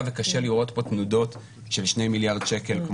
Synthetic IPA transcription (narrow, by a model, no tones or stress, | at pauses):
vekaʃeliʁʔo̞t̪bo̞tnudo̞t̪ | ʃe̞lʃnejmiljaʁdʃeke̞lkm